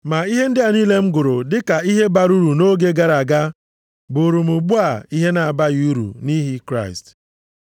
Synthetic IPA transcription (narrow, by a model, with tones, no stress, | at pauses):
ma˨i˦ɦe˦n̩˦dɪ˦a˨niː˦le˦m̩˦ɡʊ˨ɾʊ˨dɪ˦ka˨i˦ɦe˦ba˨ɾu˦ɾu˨no˦ɡe˦ɡa˨ɾa˨ɡa˦ | bʊ˨ɾu˨mʊ˨ɡ͡bu˦a˨i˦ɦe˦na˨a˨ba˦ɣu˦ɾṵ˨ni˦ɦi˦kɾa̰˦˨ɪ̰˨st